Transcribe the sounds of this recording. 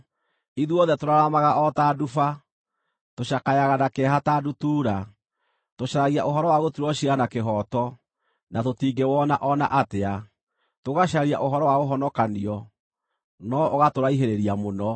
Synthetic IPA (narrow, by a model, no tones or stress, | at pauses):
iðuɔðɛtoɾaɾamaɣaʔɔtadufa | toɕakajaɣanakɛɦataːdutuːɾa | toɕaɾaɣiaʔoɦɔɾɔwaɣotuɾɔɕianakeɦɔtɔ | natotiːɡewɔnaʔɔna̰ʔatea | toɣaʃaaɾia̰ʔoɦɔɾɔwaɣoɦɔnɔkaniɔ | nɔʔoɣatoɾaiɦeɾeɾiamonɔ